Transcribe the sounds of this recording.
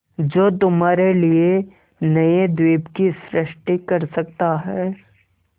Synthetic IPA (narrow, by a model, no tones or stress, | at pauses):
d͡ʒoːt̪ʊmaːɾelie | nɐed̪wiːbkisɾɪʃʈikɐɾsɐk̚t̪aɦɛː